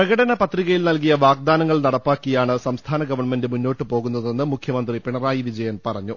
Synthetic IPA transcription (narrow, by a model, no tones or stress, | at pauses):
prɐɣɐɽɐnɐpɐt̪riɣɐjilnɐlkijɐʋaːɡ̚d̪aːnɐŋːɐɭnɐɽɐpːaːkːijaːɳɨsɐmst̪ʰaːnɐɡɐʋɐrɳmendɨmunːo̞ːʈːɨpo̞ːɣunːɐðe̞nːɨmukʰjɐmɐnd̪ripeɳɐraːjiʋid͡ʑɐjɐnpɐrɐɲːu